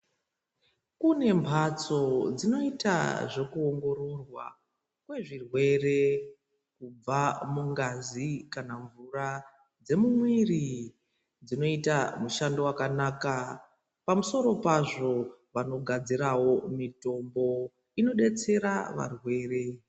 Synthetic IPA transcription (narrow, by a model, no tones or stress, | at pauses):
kune̞mbʱat͡so̞d͡zino̞ita̰ʐe̞kuo̞ŋɡo̞ɾo̞rwa̰ | kwe̞ʐirwe̞re̞ | kub͡vamuŋɡazikanaɱvura | d͡ze̞mumwiri | d͡zino̞itamuʃando̞wakanaːka | pamuso̞ɾo̞paʐo̞ʋano̞ɡʱad͡ziɾawo̞mito̞mbo̞ | ino̞ɗe̞t͡se̞ɾaʋa̰rwe̞ːre̞